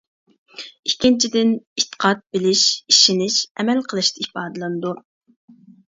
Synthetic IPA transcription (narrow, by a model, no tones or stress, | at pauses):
ikʲːint͡ʃʰid̪ɪnit̪ʰːə̥qʰɑt̪̚bɪlɪʃiʃɪnɪʃɛmɛlqʰəlˠɨʃt̪ɑipɑːd̪ɨlˠɨnɨd̪u